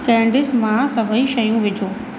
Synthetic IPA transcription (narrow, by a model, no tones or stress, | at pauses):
kɛ̃ːɳɖɪsmãsɐbʱəiʃɐjũʋɪd͡ʑʱoː